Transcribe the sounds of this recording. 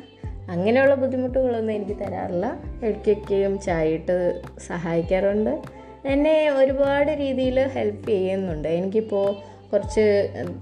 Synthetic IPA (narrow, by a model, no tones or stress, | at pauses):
ɐŋːɐne̞juɭːɐbud̪ʱːimuʈːuɣɐɭo̞nːɨe̞nikʲːɨt̪ɐɾa̰ːrilːɐeɻukʲːo̞kʲːejumt͡ɕaːjiʈːɨsɐɦaːjikʲːaːruɳɖɨ | t̪ɐnːe̞o̞ɾubaːɽɨɾiːðijilhe̞lpːɨt͡ɕe̞jːunːuɳɖɨe̞nikʲːipːo̞ː | kurɐt͡ɕːɨ